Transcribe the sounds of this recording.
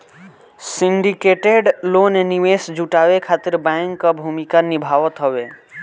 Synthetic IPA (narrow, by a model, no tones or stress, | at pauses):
sĩɳɖikeʈeɖloːneniʋesd͡ʒuʈaʋekʰat̪ɪɾbaŋkːabʱumikanibʱaʋət̪ɦɔʋe